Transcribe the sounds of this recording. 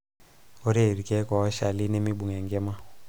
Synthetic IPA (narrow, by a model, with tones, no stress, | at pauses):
o˦ɾe˦˨ɾi˨kɛ˦kɔ˨ɔ˦ʃa˨li˦ne˦mi˦ɓu˨ŋɛ˨ŋɡɛ˦ma˦